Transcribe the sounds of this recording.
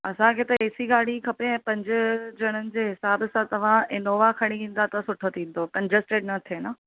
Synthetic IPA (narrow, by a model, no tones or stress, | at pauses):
ɐsãkʰeːt̪ɐeːsiɡaːɽ̤ikʰɐpeɛ̃ːpɐ̃ɲd͡ʑʊ̆d͡ʑɐɽ̃ənɪ̆d͡ʑeːɦɪsaːbsãt̪ɐʋ̤ãɪnoːʋakʰɐɽ̃iʋĩːn̆d̪at̪ɐsʊʈʰot̪ʰĩːn̆d̪oːkɐ̃ɲd͡ʑəsʈeɖnɐt̪ʰeːna